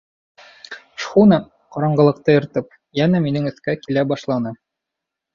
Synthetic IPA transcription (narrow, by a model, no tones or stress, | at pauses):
ʃχunɑ | qɑɾɑɴɢɤ̆lˠɤ̆q̚t̪ɤjɤ̆ɾt̪ɤp̚ | jænæminɘŋɵ̆θkækilæbɑʃlˠɑnɤ